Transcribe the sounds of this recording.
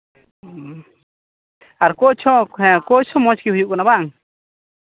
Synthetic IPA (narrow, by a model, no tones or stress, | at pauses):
aɾkɔt͡ʃʰɔ̃hɛ̃kɔt͡ʃʰɔ̃mɔ̃t͡ʃkihujuʔkɔnabaʔaŋ